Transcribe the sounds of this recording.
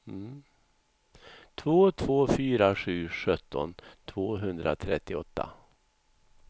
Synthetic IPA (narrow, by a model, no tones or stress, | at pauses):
m̩ | t̪ʰvoːt̪ʰvoːfyːɾaʂʉ̟ːʂœt̪ʰːɔ̰nt̪ʰvoːɦɵnd̪ɾʔa̰t̪ʰɾɛt̪ːɪɔt̪ːa̰